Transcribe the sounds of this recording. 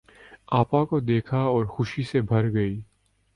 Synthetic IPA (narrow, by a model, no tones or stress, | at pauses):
aːpãkod̪eːkʰaɔːɾxʊʃisebʱɐɾɡɐiː